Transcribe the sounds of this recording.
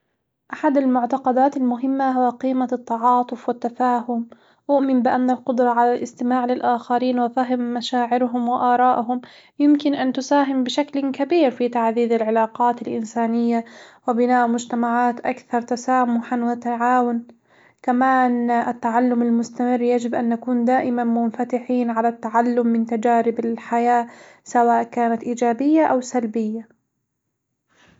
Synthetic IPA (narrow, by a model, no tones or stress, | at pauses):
ʔaħad̪almʊʕt̪ɑqɑd̪aːt̪almʊɦɪmːaɦʊwaqiːmat̪ːɑʕɑːt̪ˤʊfwɪt̪ːafaːɦʊm | ʔʊʔmɪmbɪʔanːalqʊd̪ɾˤɑʕalalʔɪst̪ɪmaːʕlɪlʔaːxɑɾiːnwafaɦɪmːaʃaːʕɪɾɦʊmwɪʔɑːɾˤɑːʔɦʊm | jɪmkɪnʔant̪ʊsaːɦɪmbɪʃaklkabiːɾfit̪aʕðiːðɪlʕɪlɑːqɑːt̪ɪlʔɪ̰nsaːnɪjːawɪbɪnaːʔmʊd͡ʒt̪amaʕaːt̪ʔakθɑɾˤt̪asaːmʊħanwat̪aʕaːwʊn | kamaːnʔɪt̪ːaʕalːʊmalmʊst̪amɪrːjad͡ʒɪbʔanːakuːnd̪aːʔɪmanmʊnfat̪ɪħiːnʕalat̪ːaʕalːʊmːɪnt̪ad͡ʒaːɾɪbɪlħajaː | sawaːʔkaːnat̪ʔiːd͡ʒaːbɪjːaʔawsalbɪjːa